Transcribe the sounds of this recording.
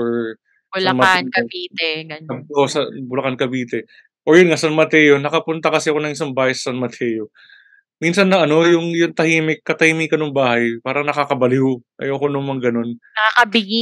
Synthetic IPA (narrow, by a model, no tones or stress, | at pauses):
oɹ | bʊslɐnmɐankɐbiːt̪ɛɡɐnosɐbʊlɐkankɐbiːt̪ɛ | ʔojʊnŋasɐnmɐt̪ɛːjo̞nɐkɐpʊnt̪ɐkɐsɛɐko̞nɐŋɪs̬ɐmbaːhɐjsɐ̥sɐnmɐt̪ʰɛːjo | minsɐnːɐʔɐno̞jʊŋjʊŋt̪ɐhiːmɪkːɐt̪ɐhiːmiːkɐnʊŋbaːhɐjpaːɾɐŋnɐkakɐbɐlɪhoʔɐ̰joːkonʊŋmɐŋɡɐno̞nnɐkakɐbɪɡi